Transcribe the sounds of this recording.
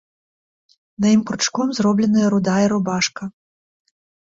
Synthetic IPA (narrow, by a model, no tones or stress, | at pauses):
nɐjimpɾut͡ʂkɔmzrɔblʲɛnɐjɐɾud̪ajɐɾubaʂkɐ